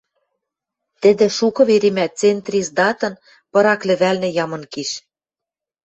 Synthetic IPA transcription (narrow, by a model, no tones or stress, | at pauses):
t̪ɘ̆d̪ĕʃukɤ̆βeɾimæt̪̚t͡sent̪rʲisd̪ɑt̪ɤ̆n | pɤ̆ɾɑklɘ̆βælnɘ̆jɑmɤ̆nkiʃ